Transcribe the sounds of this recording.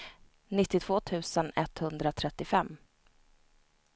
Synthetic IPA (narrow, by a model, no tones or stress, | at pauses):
nɪt̪ːɪt̪ʰv̥oːt̪ʰʉ̟ːsənɛt̪hɵnd̪ɾat̪ʰɾɛt̪ːɪfɛmː